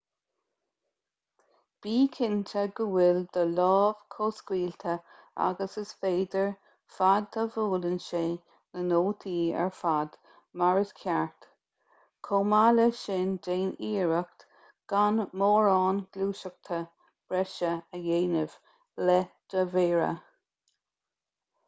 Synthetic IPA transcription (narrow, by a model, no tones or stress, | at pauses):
b̥iːkʰɪnt̪ʰəɡəwɪld̪əlɔːv̥kʰoːskwiːlt̪ʰə | a̰ɡəsəsfeːd̪əɹ | fad̪ːəvuːlənʃeː | nənoːt̪ʰiːə̰ɹfad̪̥ | maɹəskʰjaɹt̪ | kʰomaləʃɪnd͡ʒeːniːɹəkt̪ | ɡ̥anmoːɹɑːnɡ̥luːʃək̚t̪ʰə | b̥ɹɛʃəəjeːnəv̥ | lɛd̥əveːɹə̰